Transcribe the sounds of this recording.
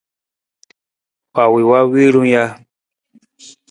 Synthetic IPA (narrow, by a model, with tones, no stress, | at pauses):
wa˨wi˨wa˦wi˦ɾũ˦ja˧